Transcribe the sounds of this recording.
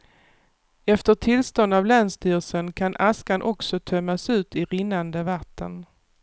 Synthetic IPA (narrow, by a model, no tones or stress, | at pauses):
ɛft̪əʈʰɪlst̪ɔnd̪avlanst̪yːʁsənkʰanʔaskanʔɔksɔt̪ʰœmːasʉ̟ːt̪ɪɾɪnːand̪əvat̪ʰːən